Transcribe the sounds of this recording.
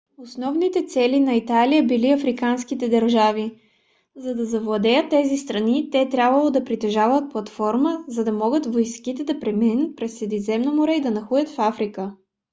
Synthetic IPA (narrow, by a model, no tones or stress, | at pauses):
osnɔvnit̪ɛt̪sɛlinɐit̪alijəbiliɐfɾikanskit̪ɛd̪ɐɾʒavi | zɐd̪ɐzɐvlˠɐd̪ɛjət̪ːɛzist̪ɾɐnit̪ɛːt̪ɾʲabvəlˠod̪ɐpɾit̪ɛʒavət̪̚plˠɐt̪fɔɾməzɐd̪ɐmɔɡət̪vojskit̪ɛd̪ɐpɾɛminət̪̚pɾɛsːɾɛd̪izɛmnomʊɾɛid̪ɐnɐxujət̪fafɾikə